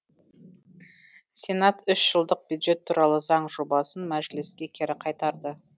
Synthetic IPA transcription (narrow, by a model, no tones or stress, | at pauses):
sʲe̞nat̪ʏʃʒ̥əlˠd̪əq̚bjud̪ʒe̞t̪ʰːuɾɑlˠəzɑɴʒo̞bɑsənmæʒlɪskʲe̞kʲʰeɾɪqʰɑjt̪ɑɾd̪ə